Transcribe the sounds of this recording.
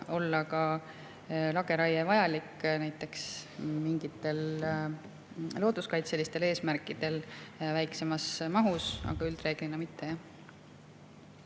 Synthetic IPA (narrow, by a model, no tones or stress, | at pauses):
o̞lːɑkɑ | lɑɡ̥e̞ɾɑjevɑjɑlikːnæjt̪ːˑe̞ksmiŋɡ̥it̪ːe̞l | lo̞ːd̪̥uskɑjt̪selːist̪e̞leːsmærkːˑid̪̥e̞lvæjkse̞mɑsmɑɦusɑ̰ɡ̥ɑyld̪re̞ːɡ̥linːɑmit̪ʰːe̞jɑ